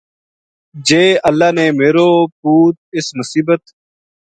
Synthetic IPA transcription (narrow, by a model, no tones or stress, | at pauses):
d͡ʒeːʔəlːaːneːmeːɾoːp̚uːt̪̚ɪsmʊsiːbət̪